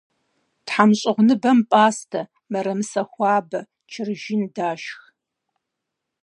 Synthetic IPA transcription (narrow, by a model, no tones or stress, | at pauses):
tħamɕʼɪʁʷnɨbɐmpʼaːstʰɐ | mɐɾɐmɨsɐxʷɑːbɐ | t͡ʃʰɪrʒindaːʃx